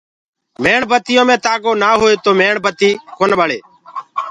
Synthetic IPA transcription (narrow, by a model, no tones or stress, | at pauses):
meːɳbət̪ɪjõːmẽːt̪aːɠoːnaːɦoːeːt̪oːmeːɳbʱət̪iːkoːnɓəɽeː